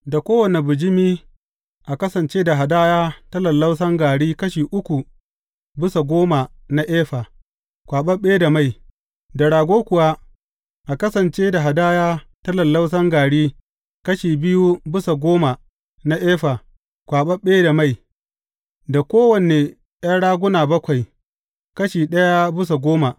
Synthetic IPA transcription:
da˨kʷoː˦wɐ˨ne˨bʊ˨d͡ʒɪ˦miː˦ | ʔa˨kɐ˦sɐ˨nt͡ʃeː˦da˨ɦa˨daː˦jaː˦tɐ˦lɐ˨lːa˦ws̬ɐ˦ŋɡaː˨ɽiː˦kɐ˦ʃiː˨ʔʊ˦kʷu˨ | bɪ˦sa˨ɡʷoː˦ma˨ | na˦ʔeː˦ɸa˨ | kʷaː˨ɓɐ˦ɓeː˦da˨ma˦˨j | da˨ɽaː˨ɡʷoː˦kʷʊ˨wa˦ | ʔa˨kɐ˦sɐ˨nt͡ʃeː˦da˨ɦa˨daː˦jaː˦tɐ˦lɐ˨lːa˦ws̬ɐ˦ŋɡaː˨ɽiː˦ | kɐ˦ʃiː˨bɪ˦ju˦bɪ˦sa˨ɡʷoː˦ma˨ | na˦ʔeː˦ɸa˨ | kʷaː˨ɓɐ˦ɓeː˦da˨ma˦˨j | da˨kʷoː˦wɐ˨ne˨ | jaː˦ɽaː˦ɡʷʊ˦naː˨bɐ˦kʷa˨j | kɐ˦ʃiː˨ɗɐ˦ja˦bɪ˦s̬a˨ɡʷoː˦ma˨

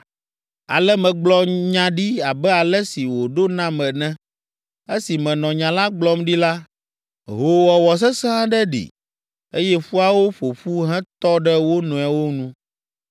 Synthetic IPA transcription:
a̰˨lɛ˦mɛ̃˨ɡ͡blɔ˨ɲã˦ɖi˦a˨bɛ˦a˨lɛ˦si˨wo˨ɖo˦nã˦mɛ̃˨nɛ̃˦ | e˦si˨mɛ̃˨nɔ̃˨ɲã˨la˦ɡ͡blɔ˦mɖi˦la˦ | ɦo˨wɔ˨wɔ˨s̬ɛ˦sã˦ɖɛ˦ɖḭ˨ | e˦jɛ˦ɸu˦a˦wo˦ɸo˨ɸu˦ɦɛ̃˦t̪ɔ˦ɖɛ˦wo˦nɔ̃˨ɛ˨wo˦nũ˦

